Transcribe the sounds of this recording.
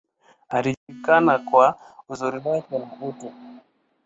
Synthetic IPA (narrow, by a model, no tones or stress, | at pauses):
aliʄulikanakwa | uzuɾiwakɛnahutɛ